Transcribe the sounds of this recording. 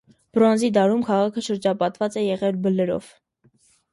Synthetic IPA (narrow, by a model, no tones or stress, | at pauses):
b̥ɾɔnzid̪ɑɾumkʰɑʁɑkʰəʃəɾd͡ʒɑpɑt̪vɑt͡sɛjɛʁɛlbəlɛɾɔ̰v̥